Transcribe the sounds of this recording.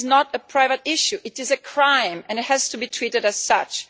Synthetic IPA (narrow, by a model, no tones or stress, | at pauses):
znɔɾəpʰɹ̥aɪvətɪʃuʔɨtɨzɨkʰɹ̥ãɪ̃mɛ̃nɨt̚hæz̥tubitʰɹiɾɨdæz̥sʌt͡ʃ